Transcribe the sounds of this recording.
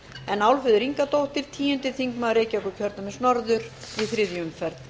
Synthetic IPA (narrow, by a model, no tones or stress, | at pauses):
ɛnawlfɪðʏɾiŋkat̪owht̪ɪɾ̥t̪ʰiːjʏnt̪ɪθiŋkmaðɾeːjcaɛɔkʏcʰœɾt̪namɛsnɔɾðʏɾ̥iθɾɪðjʏmfɛɾt̪n̥